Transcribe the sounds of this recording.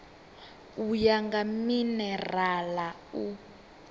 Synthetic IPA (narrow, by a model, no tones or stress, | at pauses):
ujaŋɡaminɛrala | u